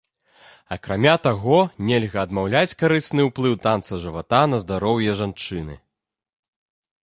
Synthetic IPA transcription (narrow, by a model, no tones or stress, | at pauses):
ɐ̰kɾamʲat̪aɣɔnʲɛlʲɣɐːd̪mawlʲat͡sʲkaɾɨsnɨwplˠɨwt̪ant̪sɐʐɨvat̪anɐzd̪aɾɔwjɛʐant͡ʂɨnɨ̰